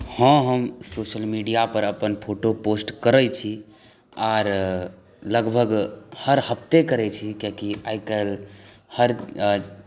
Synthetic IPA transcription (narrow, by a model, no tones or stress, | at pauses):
hə̃ɦəmsoʃəlmiɖijapəɾəpənpʰoʈoposʈkəɾət͡ʃʰi | aːɾ | ləɡbʱəɡhəɾhəp̚ʰt̪ekəɾɛt͡ʃʰikekiajkəl | həɾ